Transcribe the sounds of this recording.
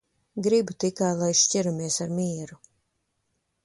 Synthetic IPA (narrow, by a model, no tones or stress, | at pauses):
ɡɾibut̪ikajlˠajʃcʲiɾumiɛsaɾmʲiɛɾu